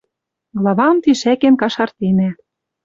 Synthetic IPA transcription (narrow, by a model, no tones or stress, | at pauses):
ɡlˠɑβɑmt̪iʃækĕnkɑʃɑrt̪enæ